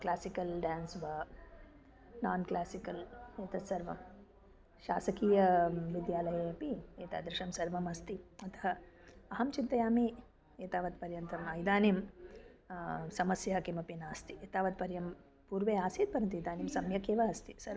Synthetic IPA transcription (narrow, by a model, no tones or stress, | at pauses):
klaːsikɐlɖaːnsʋɐ | naːnklaːsikɐleːt̪ɐt̪sɐɾʋɐ̰m | ʃaːsɐkiːjɐʋid̪jaːlɐjeːɐpieːt̪ɐ̰ːd̪ɾɪʃɐmsɐɾʋɐmɐst̪iɐt̪ɐ̥ɦɐɐɦɐmt͡ʃint̪ɐjaːmi | eːt̪aːʋɐt̪pɐɾjɐnt̪ɐmɐjd̪aːnim | sɐmɐsjɐɦɐkemɐpinaːst̪i̥eːt̪aːʋɐd̪̚pɐɾjɐm | puːɾʋeːaːsiːt̪̚pɐɾɐnt̪ijd̪aːnimsɐmjɐkeːʋɐɐst̪isɐɾ